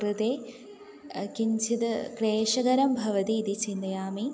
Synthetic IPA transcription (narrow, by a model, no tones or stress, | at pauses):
ɾɨd̪eː | kiɲt͡ʃʰit̪kɾeːʂɐɡɐɾɐmbʱɐʋɐt̪iːd̪it͡ɕind̪ɐjaːmi